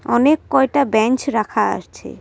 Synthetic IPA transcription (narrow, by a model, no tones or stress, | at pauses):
ɔnekːɔek̚ʈabɛnt͡ɕɾakʰaa̰ʃt͡ɕʰḛ